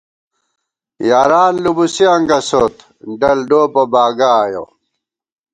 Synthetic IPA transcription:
jaːɾaːnlubusiɐŋɡɐsoːt̪ | ɖɐlɖoːpɐbaːɡaːjo̰

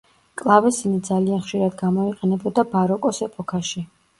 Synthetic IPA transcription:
kʼlˠavɛsinid̪zalianχʃiɾad̪ɡamɔiqʼɛnɛbɔd̪abaɾɔkʼɔsɛpʼɔkʰaʃi

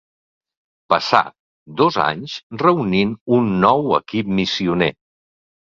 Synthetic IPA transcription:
pəsa̰ | d̪oza̰ɲzrəuninunːɔwə̰kip̚misiunḛ

